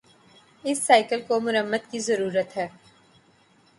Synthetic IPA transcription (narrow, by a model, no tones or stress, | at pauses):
ɪsːaːɪkəlkomʊɾəmːəd̪kizɐɾuːɾət̪ɦɛː